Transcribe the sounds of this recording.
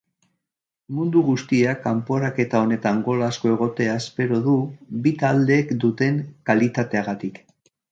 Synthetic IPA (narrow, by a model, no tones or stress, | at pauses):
mund̪uɣust̪iakampo̞ɾake̞t̪ao̞ne̞t̪aŋɡo̞lasko̞e̞ɣ̞o̞t̪e̞aespe̞ɾo̞ðubit̪ald̪e̞ːkd̪ut̪e̞ŋkalit̪at̪e̞aɣat̪ik